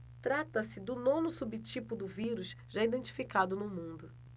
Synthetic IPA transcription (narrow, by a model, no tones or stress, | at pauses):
t̪ɾat̪ɐsɪd̪ʊnõnʊsubit͡ʃipʊd̪ʊviɾuʃ | ʒaid̪ẽnt͡ʃi̥fikad̪ʊnʊmũd̪ʊ